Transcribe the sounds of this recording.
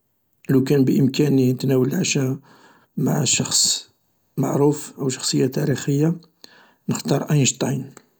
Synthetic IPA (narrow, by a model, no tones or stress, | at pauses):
lukænbəʔəmkæninət̪næwəlʕaʃæ | maʕʃɑxsˤ | ma̰ʕɾufʔəwʃɑ̥xsˤəjːat̪æɾixəjːa | nəxt̪ɑɾˤʔɑjnʒt̪ˤɑjn